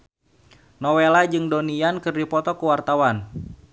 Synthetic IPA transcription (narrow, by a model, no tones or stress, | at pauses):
nɔwelad͡ʒɨŋdonijankɨrdipɔt̪ɔkuwart̪awan